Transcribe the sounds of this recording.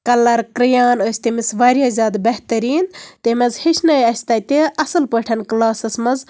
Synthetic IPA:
kɐlɐɾkɾɨjaːnoːsʲt̪imisʋaːɾʲjaːzʲaːd̪bɐɦt̪ɐɾiːnt̪emɐzhiʃʰnɐjɐsʲt̪ɐt̪eʔɐsɨlpəʈʰɐnklaːsɐsmɐz

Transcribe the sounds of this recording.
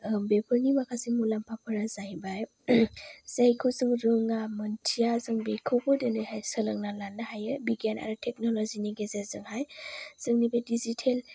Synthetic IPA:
bepʰɯɾnimakʰasimulampʰapʰɯɾazaibaj | zejkʰɯzɯŋɾɯŋamɯntʰijazɯŋbekʰɯbʰɯdɯnɯjhajsɯlɯŋnalanːahajɯbiɡana̰ɾɯtʰek̚nɔlɔziniɡezezɯŋhajz̥ɯŋnibedizitʰel

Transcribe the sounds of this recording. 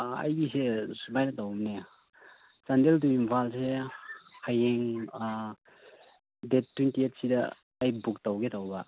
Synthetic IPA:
a̰jɡisesubajnɐtawmne | t͡ʃandelduimpʰalsehajeŋ | det̚tːwintiet̚sidɐː | jbuk̚tawɡetʰawbɐ

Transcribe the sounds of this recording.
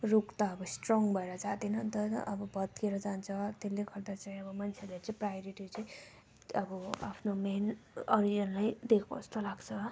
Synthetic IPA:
rukt̪aːbʌsʈroŋɡbʱʌeɾʌd͡zat̪enʌnt̪ʌʔʌbʌbʌd̪̚keɾʌd͡zant͡sʰʌt̪elːekʰʌrd̪at͡saĩʌbʌmant͡sʰelet͡sʌĩprajoɾiʈit͡sʌĩ | ʌbʌa̰pʰnomenɔɾid͡zʌnlajd̪ekʰpo̰st̪olaɡt͡sʰʌ

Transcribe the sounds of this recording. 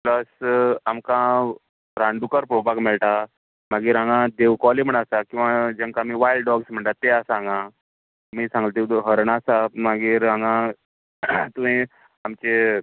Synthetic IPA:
pləsamkã | ɾãɳɖukəɾpɾobʱaɡmeɭʈ̪a | maɡiːɾãŋɡãd̪eʋkɔliməɳasakĩʋad͡ʑẽŋkamiːʋajlɖɖɔɡsm̤əɳʈ̪at̪ːeasaŋɡã | miːsãŋɡəlt̪id̪ɦəɾəɳasamaɡiːɾãŋɡã | t̪uɦĩ | amt͡ɕe

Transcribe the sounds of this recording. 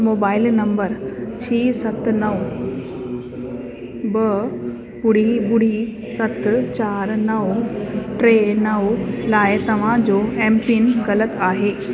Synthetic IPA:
moːbaːɪlnɐ̃mbəɾt͡ɕʰiːsɐt̪nɐʋ | bɐ | bʊɽ̤ibʊɽ̤i | sɐt̪ʰt͡ɕaːɾnɐʋʈɾeːnɐʋlaːɪt̪ɐʋ̤ãd͡ʑoːʔɛ̃ːmpɪnɣɐlət̪aːɦeː

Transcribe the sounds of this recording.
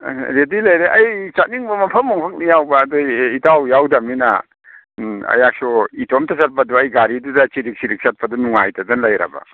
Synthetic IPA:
ɾedilɐjɾeʔɐjt͡ʃat̚niŋbɐmɐpʰɐmːɔŋpʰɐk̚nijawbaːdɔitawjawdɐmina̰ | ɐ̰jak̚sɔitʰɔmtʰasat̚padɔɐjɡaɾidudat͡ʃiɾik̚siɾik̚sʰat̚pʰɐdɔnuŋajtʰadɐnlɐjɾa̰ba̰

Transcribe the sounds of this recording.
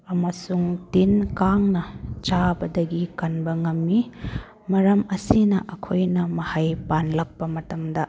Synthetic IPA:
ɐmɐsuŋtinkaŋnɐt͡ʃabɐdɐɡikɐnbɐŋɐmːi | mɐɾɐmɐsinɐ̰ʔɐkʰojnɐmɐhajpanlɐk̚pɐmɐtɐmdɐ

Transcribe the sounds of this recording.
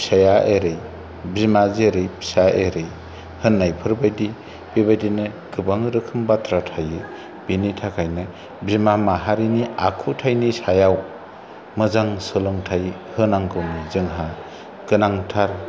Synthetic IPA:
sajaʔeɾɯj | bimazeɾɯjpʰsaʔeɾɯj | hɯnːajpʰɯɾbajdi | b̥iβajdinɯ | ɡɯbaŋɾɯkʰɯmbatɾatʰajɯ | b̥initʰakʰajnɯ | bimamaɦaɾiniakʰutʰajnisajaw | mɯzaŋsɯlɯŋtʰaj | hɯnaŋkɯmizɯŋɦa | kɯnaŋtʰaɾ

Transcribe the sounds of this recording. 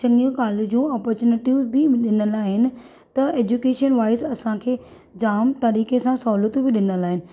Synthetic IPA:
ɐ̃ŋɡijũkaːlud͡ʑũːaːpɔɾt͡ɕuːnɪʈibɪɗɪnəlaːɦɪnɪ̆ | t̪ɐeːd͡ʑuːkeːʃənʋaːɪsɐsãkʰeː | d͡ʑaːmt̪ɐɾiːkesãsɔʊlət̪ubɪɗɪnəlaːɦɪnɪ̆

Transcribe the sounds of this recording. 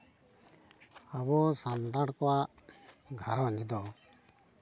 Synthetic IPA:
abɔsant̪aɽkɔwaʔ | ɡʱaɾɔɲd͡ʒd̪ɔ

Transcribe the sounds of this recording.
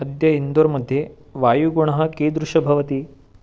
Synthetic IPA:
ɐd̪jɐind̪oːɾmɐd̪ʱje | ʋaːjuɡuɳ̃ɐɦɐ̆keːd̪ɾuʂɐbʱɐʋɐt̪i

